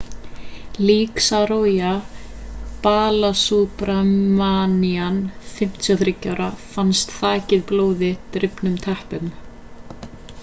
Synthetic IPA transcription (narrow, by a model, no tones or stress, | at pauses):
liːksaɾoːja | paːlasupɾaanianfɪm̥t̪ʰjɔθɾɪcːawɾafanst̪θaːcɪðploːwðɪt̪ɾɪpnʏmt̪ʰɛhpʏm